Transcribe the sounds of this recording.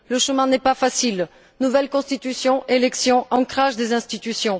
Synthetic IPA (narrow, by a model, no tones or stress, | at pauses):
ləʃəmɛ̃nɛpafasil | nuvɛlkɔ̃st̪it̪ysjɔ̃ʔelɛksjɔ̃ʔɑ̃kχaʒd̪ezɛ̃st̪it̪ysjɔ̃